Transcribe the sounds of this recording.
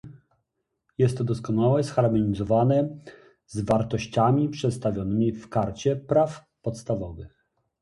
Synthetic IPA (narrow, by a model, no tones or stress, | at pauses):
jɛst̪ːɔd̪ɔskɔnawɛsxaɾmɔɲizɔvanɛ | zvaɾt̪ɔɕt͡ɕamʲipʂɛt̪st̪avʲjɔnɘmʲifkaɾt͡ɕɛpɾaf | pɔt̪st̪avɔvɘx